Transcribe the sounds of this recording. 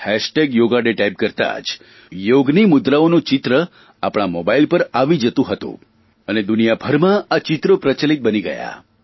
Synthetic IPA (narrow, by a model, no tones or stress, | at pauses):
hɛʃʈeɡjoɡaɖeʈajp̚kəɾt̪a̰d͡ʒ | joɡnimʊd̪ɾaonot͡ʃɪt̪ɾə | a̰pɽ̃amobailpəɾaʋid͡ʒət̪ũɦət̪ṵ̃ | əned̪unijabʱəɾmãat͡ʃɪt̪ɾopɾət͡ʃəlit̪̚bəniɡə̰ja̰